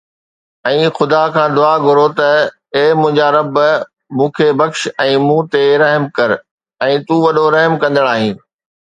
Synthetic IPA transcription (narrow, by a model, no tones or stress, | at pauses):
ɛ̃ːxʊd̪akʰãːd̪ʊaːɡʱʊɾot̪ɐ | eːmʊ̃ɦɪ̃ɲd͡ʑaɾɐb | mũːkʰebɐkʃɛ̃ːmũːt̪eɾɐɦmkɐɾ | ɛ̃ːt̪ũːʋɐɗoɾɐɦmkɐ̃nd̪əɽ̃aːɦĩːn